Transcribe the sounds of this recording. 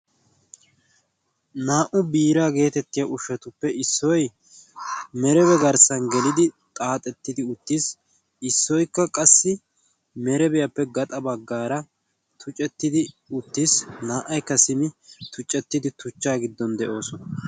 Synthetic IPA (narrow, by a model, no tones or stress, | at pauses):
naːʔʊbiːɾaːɡe̞ːt̪ɛt̪ːɪjɐʔʊʃɛt̪ʊpːɛɪsːɔj | mɛɾɛβɛɡɐɾsɐnɡɛlɪd̪ɪt̪ʼaːt̪ʼɛt̪ːɪd̪ɪʊt̪ːis | ɪsːɔjkːɐkʼɐsːɪ | mɛɾɛbɛjɐpːɛɡɐt̪ʼɐbɐɡːaːɾɐ | t̪ʰʊt͡ʃʼɛt̪ːɪd̪ɪ | ʊt̪ːisnaːʔːɐjkːɐsɪmɪt̪ʊt͡ʃʼːɛt̪ːɪd̪ɪt̪ʊt͡ʃːaːɡɪd̪ːɔnd̪ɛʔo̞ːsɔnɐ